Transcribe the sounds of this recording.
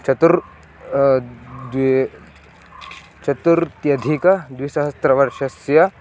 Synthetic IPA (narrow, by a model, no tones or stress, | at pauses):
t͡ʃʰɐt̪uɾ | d̪ | t͡ʃɐt̪uɾt̪jɐd̪ʱikɐd̪ʋisɐɦɐst̪ɾɐʋɐɾʃɐsjɐ